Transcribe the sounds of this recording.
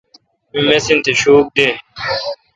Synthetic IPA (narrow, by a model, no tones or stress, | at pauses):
ĩmesint̪ʰeɕuːk̚d̪eː